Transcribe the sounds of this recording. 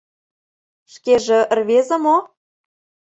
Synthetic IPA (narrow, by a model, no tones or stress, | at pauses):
ʃkeʒĕrβezə̆mo